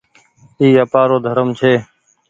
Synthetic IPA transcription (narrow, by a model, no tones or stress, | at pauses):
iːəpaːɾoːd̪ʱəɾəmt͡ʃʰeː